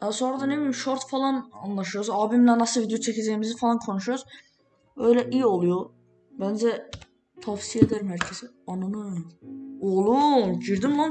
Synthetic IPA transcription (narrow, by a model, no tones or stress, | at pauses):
ɛso̞nɾad̪ɑnebimʃoɾt̪fɑlˠɑnɑnlˠɑʃujozɑːbimlænɑsɯvid̪jot͡ʃʰɛcʰizɛjimizifɑlˠɑnkʰo̞nuʃujoz | ø̞jlɛʔijo̞lˠujo | bænd͡ʒɛ | t̪ʰafsied̪æɾimæɾcʰɛzi | ɑnɑnɯ | olˠunɟiɾd̪imlan